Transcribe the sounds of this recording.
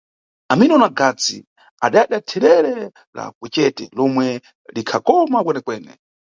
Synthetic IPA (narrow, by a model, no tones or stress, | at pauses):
aminɔnaɡat͡sḭ | aɗaaɗatʰɛɾɛɾɛ | la̰k̚ɛt͡ʃɛtɛlɔmwɛ | likʰakɔmakwɛnɛkwɛːnɛ̰